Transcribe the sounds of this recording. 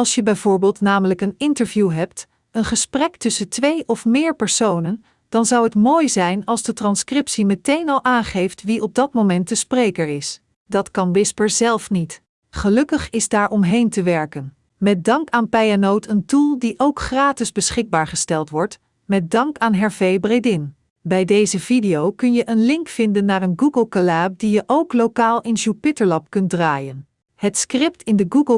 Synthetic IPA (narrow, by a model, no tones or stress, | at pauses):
ɑlˠsjəbɛjvoːɹbɪːlˠtnaːmələkənɪntəɹvjuɦɛp̚t | ənχəsprɛktʏsətʋejʔɔfmɪːɹpɛɹsownən | d̥ɑnzɑwɦətmoːjzɛjnɑlˠzdətrɑnskrɪpsimətejnɑlˠʔaːnχejftʋiʔɔb̚dɑtmomɛnt̚dəsprejkəɹɪs | dɑtkɑnwɪspəɹzɛlˠfnit | χəlɵkəχɪzdaːɹʔɔmɦejntəʋɛɹkən | mɛt̚dɑŋkaːnpɛjanowtʰəntulˠdiʔowkχraːtɪzbəsχɪɡ̚baːɹχəstɛlˠtʋɔɹt | mɛt̚dɑŋkaːnɦɛɹvejbrejdɪn | bɛjdejzəvidijowkɵnjəʔənlɪŋkfɪndənːaːrənɡuɡəlˠkalaːp̚dijəʔowklokaːlˠɪnʒupɪtəɹlɑpkɵnt̚draːjən | hətskrɪptʰɪndəɡuɡə